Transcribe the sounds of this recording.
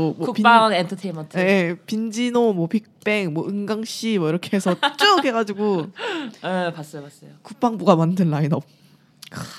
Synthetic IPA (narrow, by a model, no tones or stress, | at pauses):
omwʌupipaŋentʰɯtʰemʌntʰepind͡ʑinomwʌpik̚p͈eŋmwʌɯŋɡaŋɕ͈imwʌiɾʌkʰeɦesʰʌt͡ɕ͈ɯkhe̞ɡad͡ʑiɡo | epas͈ʌjopas͈ʌjokuk̚p͈aŋbuɡamandɯnːainʌp̚ | k